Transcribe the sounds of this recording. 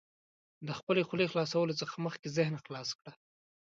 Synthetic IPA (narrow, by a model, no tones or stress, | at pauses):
d̪əxpəlexlexlɑsawəlot͡səxaməxkezɪhnaxlɑskɽa